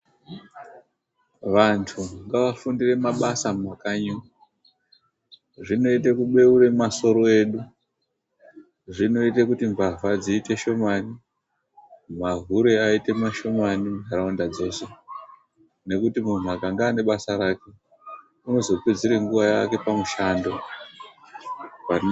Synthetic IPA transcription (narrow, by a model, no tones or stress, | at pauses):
ʋantʰuŋɡaʋafundire̞maɓasamakaɲu | ʐino̞itekuɓe̞uɾe̞maso̞ɾo̞e̞ːɗu | ʐino̞itekutiɱvavad͡ziːte̞ʃo̞mani | maɦuɾe̞aite̞maʃo̞manimʱaɾaundad͡zo̞ːse̞ | ne̞kutimun̤wakaŋɡaːne̞ɓasaɾake̞ | uno̞zo̞kwed͡ziɾe̞ŋɡuʋajake̞pamuʃaːndo̞ | a